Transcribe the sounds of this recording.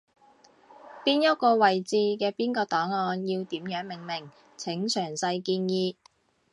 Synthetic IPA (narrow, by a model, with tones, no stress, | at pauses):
piː˥njɐ˥t̚kɔː˧wɐ˨jt͡siː˧kɛː˧piː˥nkɔː˧t̪ɔː˨˥ŋɔː˧njiː˧wt̪iː˨˥mjœː˨˥ŋmɪ˨˩ŋmɪ˨˩ŋ | t͡sʰɪ˨˥ŋt͡sʰœː˨˩ŋsɐ˧jkiː˧njiː˧